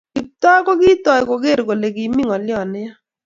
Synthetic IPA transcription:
kɪ˨tɔ˦ko˦ɡɪ˦tɔ˨jko˨ɡe˦˨ɾko˨le˨ɡi˨˦mi˦ŋɔ˨lɪ˦ɔ˦˨nɪ˦ja˦

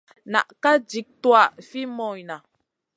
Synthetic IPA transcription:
na̰˨ʔka˦d͡ʒi˨˦k̚twa˦˨ʔfi˦mɔ˨jna˨

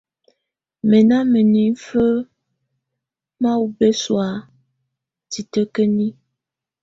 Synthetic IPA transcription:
mə˨na˦mə˨ni˨˦fə˦ | ma˦wu˦be˦swa˨˦ | ti˨tə˦kə˦ni˦

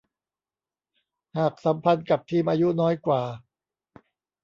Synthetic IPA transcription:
haː˨˩k̚sa˩˦mpʰa˧nka˨˩p̚t̪ʰiː˧mʔaː˧ju˦˥nɔː˦˥jkwaː˨˩

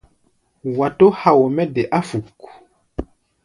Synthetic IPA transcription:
wa˨to˦ha˨wo˨mɛ˦dɛ˨ʔa˦fu˨k

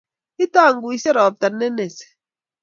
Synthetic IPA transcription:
i˦ta˦˨ŋ˦ɡu˨i˦se˦ɾɔ˨p̚ta˨nːe˦ne˨se̥˨

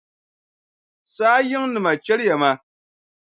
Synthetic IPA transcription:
saː˦jɪ˦ŋnɨ˨ma˨t͡ʃɛ˦lja˨ma˦

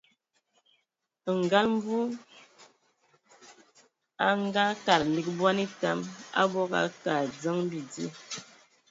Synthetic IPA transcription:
ŋ˨ɡa˦lm˦bu˦ | a˦ŋ˦ɡa˦ka˨ɾli˨k̚bwa˦ni˦ta˦ma̰˦bɔ˦ka̰˦ka˨d͡zə˦ŋ˦bi˨d͡zi˦

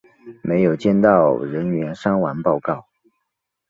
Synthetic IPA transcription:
mʔe˧˥ɪjo˨˩ʊt͡ɕjɛ˥˧nt̪ɑ˥˩ʊɻə˧˥nɥɛ˧˥nʂɑ˥ŋwa˧˥npɑ˥˧ʊkɑ˥˩ʊ

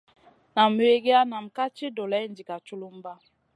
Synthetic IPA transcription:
na˨mə˨we˦ɡe˦a˦na˨m̩˨ka˦t͡ʃi˦do˨lɛ˨˦ndi˨ka˨t͡ʃu˦lu˦m˦ba˦

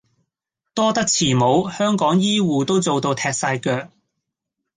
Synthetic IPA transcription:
t̪ɔː˥t̪ɐ˥k̚t͡sʰiː˨˩mo˨˥whœː˥ŋkɔː˨˥ŋjiː˥wuː˨t̪o˥wt͡so˨˧wt̪o˧wt̪ʰɛː˧t̚saː˧jkœː˧k̚

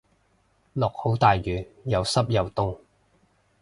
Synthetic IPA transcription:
lɔː˨k̚ho˨˥wt̪aː˨jjyː˨˩jɐ˨˧wsɐ˥p̚jɐ˨wt̪ʊ˥ŋ

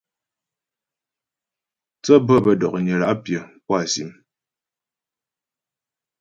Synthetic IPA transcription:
t͡sə˦bə˦˨bə˨dɔ˨k̚ɲə˨la̰˨˦ʔpjə˨pwa˨sḭ˨˦m

